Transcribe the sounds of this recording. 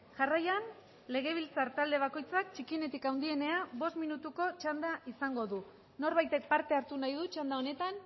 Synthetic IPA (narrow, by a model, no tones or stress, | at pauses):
ʝarajan | le̞ɣ̞e̞β̞ilt͡saɾt̪ald̪e̞β̞ako̞jt͡sak̚t͡ʃikiene̞t̪ikawnd̪ie̞ne̞aβo̞st̪minut̪uko̞t͡ʃand̪aʔisaŋɡo̞ðu | no̞ɾβajt̪e̞k̚paɾt̪e̞aɾt̪unajðut͡ʃand̪ao̞ne̞t̪an